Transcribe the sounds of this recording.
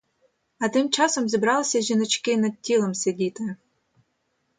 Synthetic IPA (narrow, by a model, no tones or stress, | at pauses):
ɐt̪ɪmt͡ʃɑsɔmzʲibɾɑlˠɪsʲɐʒʲinɔt͡ʃkɪnɐd̪̚tʲːilˠɔmsʲedʲit̪ɪ